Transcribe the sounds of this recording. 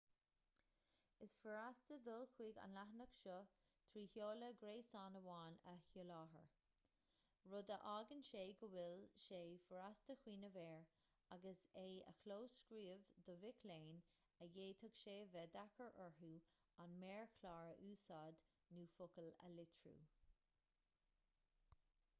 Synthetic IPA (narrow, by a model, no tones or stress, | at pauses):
ɪsfəɹast̪əd̪ʊlxwiːɡa̰nlaɦənəkʃɔ | t̪ʰɾiːhjoːləɡɾeːsɑːnəwɑːnəhjulɑːɦə̰ɹ | ɹʊd̪əʔaːɡənʃeːɡəwɪlʃeːfəɹast̪əxwiːnəvɛːɹ | aɡəseːə̰kʰloːskɹiːvd̪əvɪkʰleːn | əjeːt̪ʰəkʃeːvɛd̪akəɹʔɛɹɦuː | anmɛːɹkʰlɑːɹəʔuːsɑːd̪ | nuːfʊkələ̰lɪt̪ʰɹṵː